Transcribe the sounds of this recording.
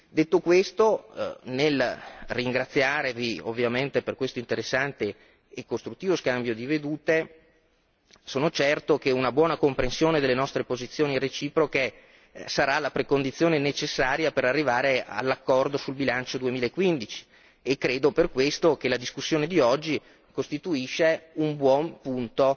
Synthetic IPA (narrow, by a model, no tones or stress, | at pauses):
d̪et̪ːokwest̪onelriŋɡɾat̪sːjaːɾevio̰vːjament̪eperkwest̪oint̪eɾesːant̪eː | kːost̪ɾut̪ːiːvoskambjod̪ived̪uːt̪e | soːnot͡ʃɛrt̪okeunabwɔːnakompɾensjoːned̪elːenɔst̪ɾepozit̪sːjoːniret͡ʃiːpɾoke | saɾalapɾekond̪it̪sːjoːnenet͡ʃesːaːɾjapeɾarːivaːɾea̰lːakːɔrd̪osulbilant͡ʃod̪uemiːlaekːwind̪it͡ʃi̥ | ekːɾeːd̪operkwest̪ok̟elad̪iskusːjoːned̪iɔd͡ʒːi | kost̪it̪uiʃːeumbwɔmpunt̪o